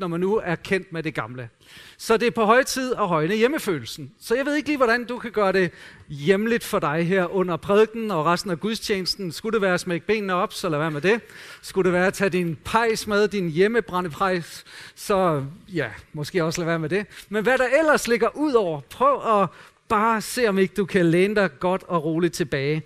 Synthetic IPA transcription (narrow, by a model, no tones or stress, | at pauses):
nɒmænːuæɐkʰen̰d̥med̥e̝ɡ̥ɑ̈mlə | sɒ̽d̥e̝æɐpʰɒ̽ɦɒ̽ɪ̰t͡sʰið̞̰ˠɒɦɒ̽ɪnəjeməfø̰ːl̩sn̩sɒ̽jɑɪʋe̝ð̞ˠe̝ɡ̥liːʋɒɾ̥ænd̥ukʰæɡ̥ɶːɐɾ̥e̝ | jemlid̥fɒ̽dɑ̈ɪɦeɐ̰ʔɔ̽n̰ɐpʰʁɛð̞ˠɡ̥n̩ɒ̽ʁɑsd̥n̩æɡ̥uðˠst͡ɕʰḛːnəsd̥n̩sɡ̥uɾ̥e̝ʋæːɐæsmeɡ̥əb̥e̝̰ːnnəɒ̽b̥sɒ̽læʋæːɐmed̥e̝sɡ̥uɾ̥e̝ʋæːɐæt͡sʰæd̥inpʰɑ̈ɪ̰smeðˠd̥injeməb̥ʁɑ̈nəpʰʁɑ̈ɪ̰ssɒ̽jæmɒ̽sɡ̥e̝̰ːɒ̽slæʋæːɐmed̥e̝menʋæɾɑ̈ʔel̰ɐsle̝ɡ̥ɐʔuð̰ˠɒʊ̰ɐpʰʁœʊɒ̽ | b̥ɑ̈ːse̝̰ːɒ̽me̝ɡ̥əd̥ukʰæleːnəd̥ɑ̈ɪɡ̥ɒ̽d̥ɒ̽ʁo̝ːlid̥̚t͡sʰe̝b̥ɛːɪ